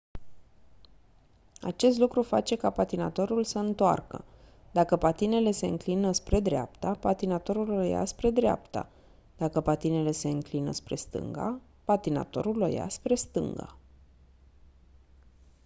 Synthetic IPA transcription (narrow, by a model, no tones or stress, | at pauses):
a̰t͡ʃe̞st̪lukɾufa̰t͡ʃe̞kapat̪ina̰t̪o̞ɾulsəɨnt̪oa̰rkə̰ | d̪akəpat̪ine̞le̞se̞ɨ̰ŋklinəspɾe̞d̪ɾea̰p̚t̪apat̪inat̪o̞ɾulooja̰spɾe̞d̪ɾea̰pt̪a̰ | d̪̥akəpat̪ine̞le̞se̞ɨŋklinə̰spɾe̞st̪ɨ̰ŋɡa̰ | pat̪ina̰t̪o̞̰ɾuloja̰spɾe̞st̪ɨ̰ŋɡa̰